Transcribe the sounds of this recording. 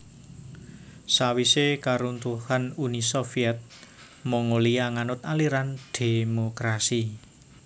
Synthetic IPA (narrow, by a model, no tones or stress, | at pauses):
sawisekaɾunt̪uhanunisofiɛt̪̚ | moŋoliaŋanʊt̪̚aliɾand̪̥e̤mokɾasi